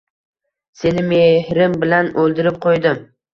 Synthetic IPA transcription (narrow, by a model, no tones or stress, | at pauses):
se̞nɪmehɾɪmbɪlanɵlˠd̪ɪɾɪp̚qʰojd̪ɪm